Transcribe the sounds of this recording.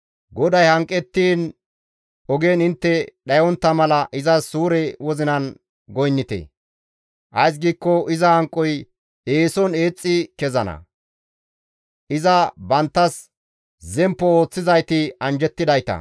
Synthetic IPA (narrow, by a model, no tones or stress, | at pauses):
ɡɔd̪ɐjhɐŋkʼːɛt̪ːiːn | ɔɡeːnɪnt̪ːɛɗɐjɔnt̪ːɐmɐlɐʔɪzɐsuːɾɛwɔzɪnɐn | ɡɔjnːɪt̪ḛ | ʔɐjs̬ɡiːkːɔʔɪzɐhɐŋkʼːɔj | eːsɔne̞ːt͡sʼːɪkɛzɐnɐ̰ | ʔɪzɐbɐnt̪ːɐs | zɛmpːɔo̞ːt͡sːɪzɐjt̪ɪɐnd͡ʒɛt̪ːɪd̪ɐjt̪ɐ̰